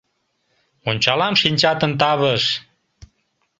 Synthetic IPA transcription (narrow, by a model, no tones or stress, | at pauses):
onʲt͡ɕɑlɑmʃinʲt͡ɕɑt̪ənt̪ɑβəʃ